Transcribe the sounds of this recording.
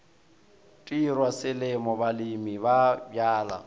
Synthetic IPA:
tʼirwasɪlɪmɔbalimibabjaːla̰

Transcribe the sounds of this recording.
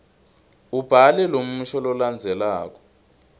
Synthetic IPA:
ub̥ʱalɛlom̩uʃɔlɔland͡zʱɛlaːk̬ɔ̥

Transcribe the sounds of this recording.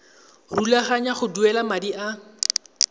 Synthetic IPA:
rulaχaɲaχʊduɛlamadiʔa

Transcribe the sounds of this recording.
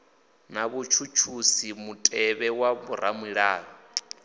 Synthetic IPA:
naβut͡ʃʰut͡ʃʰusimutʼɛβɛwaβuɾamwiɺaːɺɔ

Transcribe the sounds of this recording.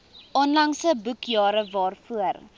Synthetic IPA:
ʔɔnlɐŋsəbukjɑːɾəvɑːrfuər

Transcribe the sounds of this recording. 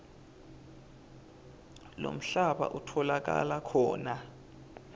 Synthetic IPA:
lo̰m̩ɬaɓa̰ʔutʰɔlak̬ʼa̰lakʰɔːna

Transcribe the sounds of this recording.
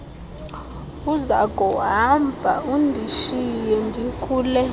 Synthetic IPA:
uzakʼɔɦambʱa̰ʔundʱiʃijɛŋdʱikʰuːlɛ

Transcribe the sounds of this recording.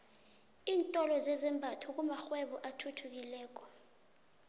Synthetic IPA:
iːntʼɔlɔzɛzɛmbʱatʰuk̬umaxwɛɓɔʔatʰutʰuk̬ilɛːk̬ʼɔ̥

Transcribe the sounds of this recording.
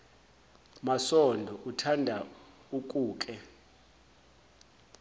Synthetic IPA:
masɔndʱɔʔutʰandʱa | uk̬ʼuːk̬ʼɛ

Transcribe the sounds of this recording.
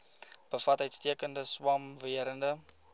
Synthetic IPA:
b̥əfɐtœɥjtstiəkəndəswɐmviəɾəndə

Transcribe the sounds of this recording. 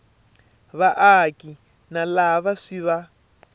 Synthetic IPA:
βaʔaki | nalaβaʂiβa

